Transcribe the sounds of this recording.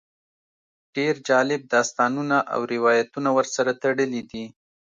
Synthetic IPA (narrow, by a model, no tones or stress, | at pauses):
ɖ̥eɾd͡ʒɑlɪb̚d̪ɑst̪ɑnunaʔa̰wɾɪwɑjat̪unawəɾsaɾat̪aɽəlid̪i